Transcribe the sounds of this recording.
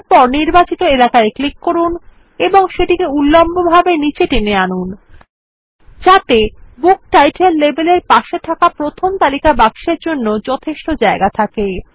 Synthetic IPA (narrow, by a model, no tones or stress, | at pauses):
pɔɾniɾbat͡ɕit̪oelakaeklikːoɾun | eboŋʃeʈikeulːombobʱabenit͡ɕeʈeneanun | d͡ʑat̪ebuk̚ʈajʈʰelːebeleɾpaʃet̪ʰakapɾot̪ʰomt̪alikabaɡʃeɾd͡ʑonːod͡ʑɔt̪ʰeʃʈod͡ʑaeɡat̪ʰake